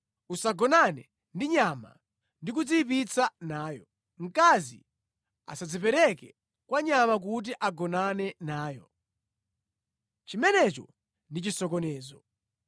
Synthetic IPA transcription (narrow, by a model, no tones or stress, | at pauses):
usaɡɔnanɛ | ndiɲama̰ | ndik̬ud͡zip̬it͡sʰanaːjɔ | ŋ̩kazḭ | a̰sad͡zipɛɾɛkɛ | kwaɲamak̬ut̬iʔaɡɔnanɛnaːjɔ | t͡ʃimɛnɛt͡ʃɔ | ndit͡ʃisɔkɔnɛːzɔ